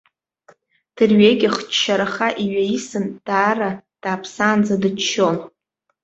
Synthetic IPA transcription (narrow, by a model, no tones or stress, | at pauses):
d̥ɨrɥeɡʲɪχt͡ʃʃaɾaχaʔiɥaisɨnd̥aːrad̥aːpʰsaːnd͡zadɨt͡ʃʰːo̞n